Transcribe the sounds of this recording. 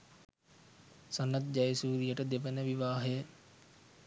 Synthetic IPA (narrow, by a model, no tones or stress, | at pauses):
sɐnːɐt̪̚d͡ʒɐjesuːɾijəʈəd̪epenəʋiʋaːɦe